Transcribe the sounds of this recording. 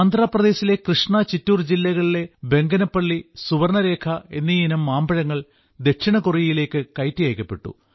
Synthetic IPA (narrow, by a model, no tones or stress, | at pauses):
aːnd̪ʱraːprɐðe̞ːsile̞krɨʂɳat͡ɕitːuːrd͡ʑilːɐɣɐɭile̞be̞ŋɡɐnɐpːɐɭːisuʋɐrɳɐɾe̞ːkʰɐe̞̰nːijinumːaːmbɐɻɐŋːɐɭ | d̪e̞kʂiɳɐkurijile̞ːkːɨkɐjtːijɐjkʲːɐpːe̞ʈːṵ